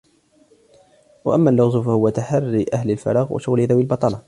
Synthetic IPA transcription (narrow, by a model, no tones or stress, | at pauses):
wa̰ʔamːaːlːʊɣzˤʊfahʊwat̪aħɑrːiʔahlɪlfɑ̰ɾˤɑːɣwa̰ʃʊɣlɪðawɪlbɑt̪ˤɑlɑ